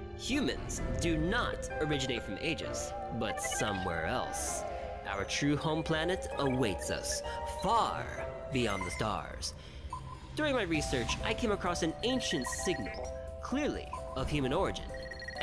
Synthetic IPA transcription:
hjʉmɨ̰̃nzdɨnə̰ɾə˞ɪd͡ʒɨneɪtfɹʌ̃mʔeɪd͡ʒɪ̰z̥ | bʌtsʌ̃mwɛ̰ɹɛ̰lˠs | ʔaʊə˞tʰɹ̥ʉhõʊ̃mpʰl̥ænɨɾəweɪtsʌ̰sfɑɹ | biɑ̰̃nðɨstɑ̰ɹz̥ | d̥ʊɹɪ̃ŋmaɪɹisɜ˞t͡ʃaɪkʰẽɪ̃məkʰɹ̥ɔsɨ̃nẽɪ̃nʃɨ̃ntsɪɡ̚nl̩ˠkʰl̥ɪɹlḭʌv̥hjʉmɨ̃nɔɹɨd͡ʒɨ̰̃n

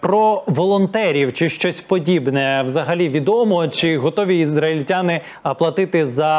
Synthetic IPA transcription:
pɾɔʋɔlˠɔnt̪ɛɾʲiwt͡ʃɪʃt͡ʃɔsʲpɔdʲibnɛwzɐɦɐlʲiʋʲid̪ɔmɔt͡ʃɪɦɔt̪ɔʋʲiːzɾɐɪlʲtʲanɪ | ɐplˠɐt̪ɪt̪ɪzɐ

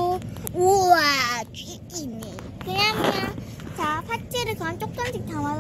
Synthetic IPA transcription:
oowaki | inːejokɯɲamjʌn | t͡ɕapʰat͡ɕ͈eɾɯkɯant͡ɕ͈ok̚t͈ʌnd͡ʑʰik̚taŋa

